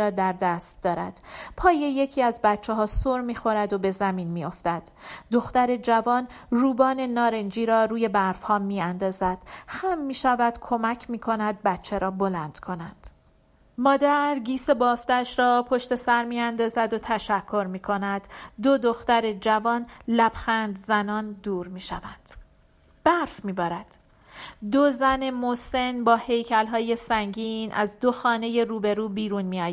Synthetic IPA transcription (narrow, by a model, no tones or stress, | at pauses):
ɒːd̪æɾd̪æst̪̚d̪ɒːɾæ̰d̪̥pʰɒːjejecʰiːæzbætt͡ʃʰːeɦɒːsoɾmiːxo̞ɾæd̪o̞be̞zæminmiːo̞ft̪æd̪̥d̪oxt̪æɾe̞d͡ʒævɒːn | ruːbɒːne̞nɒːɾe̞nd͡ʒiːɾɒːɾuːje̞bæɾfhɒːmiːænd̪ɒːzæd̪̥hæmːiːʃævæd̪̥kʰo̞mæcʰmiːkʰo̞næd̪̚bætt͡ʃʰːeɾɒːbo̞lænd̪̥kʰo̞nænd̪̥ | mɒːd̪æɾɟiːse̞bɒːft̪æʃɾɒːpʰo̞ʃt̪e̞sæɾmiːænd̪ɒːzæd̪o̞t̪ʰæʃækʰːo̞ɾmiːkʰo̞næd̪̥d̪o̞d̪o̞xt̪æɾe̞d͡ʒævɒːnlæb̥xænd̪zænɒːnd̪uːɾmiːʃæ̰vænd̪̥ | b̥æɾfmiːbæːɾæd̪̥ | d̪ozæne̞mose̞nbɒːhe̞jcʰælɦɒːje̞sæŋɟiːnʔæ̰zd̪o̞xɒːne̞jeɾuːbe̞ɾuːbiːɾuːnmiɒːj